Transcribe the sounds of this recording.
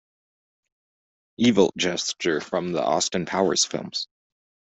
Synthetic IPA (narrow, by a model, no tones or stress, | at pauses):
ʔivl̩̥ˠd͡ʒɛst͡ʃə˞fɹʌ̃mðḭʔɑ̰stə̃npʰaʊə̰˞z̥fɪ̰lˠmz̥